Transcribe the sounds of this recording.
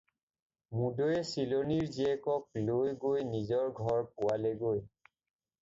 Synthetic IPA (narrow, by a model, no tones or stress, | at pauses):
mudojɛsiloniɹziɛkɔk̚lojɡojnizɔɹɡʱɔɹpʊwaleɡoj